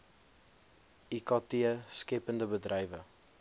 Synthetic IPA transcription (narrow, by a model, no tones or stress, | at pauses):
ikɑtiəskɛpəndəbədrɛjvə